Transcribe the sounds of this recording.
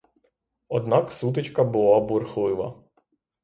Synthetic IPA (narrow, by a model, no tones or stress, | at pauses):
ɔd̪nɑksut̪ɪt͡ʃkɐbʊlˠɑbʊrxlˠɪʋɐ̰